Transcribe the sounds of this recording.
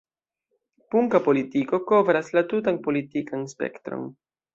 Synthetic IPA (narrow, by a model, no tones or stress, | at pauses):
puŋkapo̞litiko̞ko̞vɾaslatut̬anpo̞litikanspe̞̰ktɾo̰n